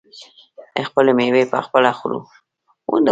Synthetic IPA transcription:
expəlemewepa̰xpəlaxuɾṵ | wṵnd̪

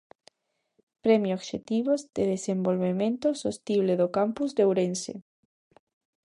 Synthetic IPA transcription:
pɾemjoɣʃet̪iβozd̪eðesẽmbolβemẽnt̪osost̪iβleðokampuzðewɾensḛ

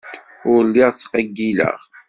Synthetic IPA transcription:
ʊɾlːɪʁt͡sːqəɡːilə̰ʁ

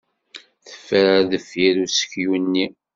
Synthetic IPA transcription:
θə̥fːəɾaðəfjiɾusə̥çjunːi

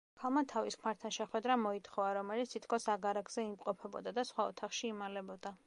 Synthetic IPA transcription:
kʰalˠmat̪ʰaviskʰmaɾt̪ʰanʃɛχwɛd̪ɾamɔit̪ʰχɔvaɾɔmɛlit̪st̪ʰit̪ʰkʰɔsaɡaɾaɡz̥ɛimqʼɔpʰɛbɔ̰d̪ad̪asχwaɔt̪ʰaχʃiːmalɛbɔd̪̥a

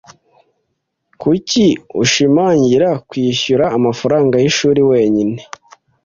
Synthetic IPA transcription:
kuciuʃimaːɲɟiɾakwiːɕuɾaːmafaɾaːŋɡajiʃuːɾiwe̞ːɲine

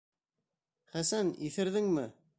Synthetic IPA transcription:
χæsæniθɘ̆ɾðɘŋmɘ

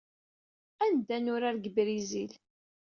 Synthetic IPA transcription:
ænd̪ænʊɾaɾɡbɾizil

